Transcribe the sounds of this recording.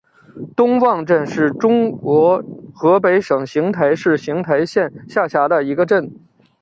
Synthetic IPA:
t̪ʊ˥ŋwɑ˥˧ŋʈ͡ʂə˥˧nʂɻ̩˥˩ʈ͡ʂʊ˥ŋkwɔ˧˥xɤ˧˥pe˧˥ɪʂɤ˨˩ŋɕi˧˥ŋt̪ʰa˧˥ɪʂɻ̩˥˩ɕi˧˥ŋt̪ʰa˧˥ɪɕjɛ˥˧nɕja˥˩ɕja˧˥d̪ə˧i˧˥ɡə˧ʈ͡ʂə˥˩n

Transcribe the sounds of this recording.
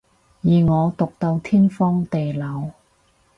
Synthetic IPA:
jiː˨ŋɔː˨˧t̪ʊ˨k̚t̪o˧wt̪ʰiː˥nfɔː˥ŋt̪e˨jlɐ˨˧w

